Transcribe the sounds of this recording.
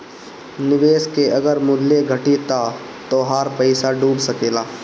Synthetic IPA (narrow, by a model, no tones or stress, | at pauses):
nɪʋeːskeʔɐɡəɾmʊd̪leɡʱɐʈit̪a | t̪oɦaːɾpəɪsaɖuːbsɐkeːlaː